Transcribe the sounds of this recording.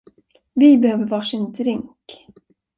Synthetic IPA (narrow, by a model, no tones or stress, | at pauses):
vɪbɛhøːvəɾvɑːʂɪnd̪ɾɪŋk